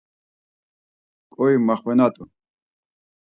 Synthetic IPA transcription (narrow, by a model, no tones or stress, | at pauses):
kʼɔjmaχwɛnat̪ʼu